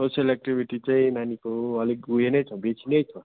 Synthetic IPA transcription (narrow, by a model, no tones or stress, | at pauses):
sosjʌlek̚ʈibʱiʈit͡saĩnanikoʌlikɡujenʌjt͡sʰʌbet͡sʰinʌjt͡sʰʌ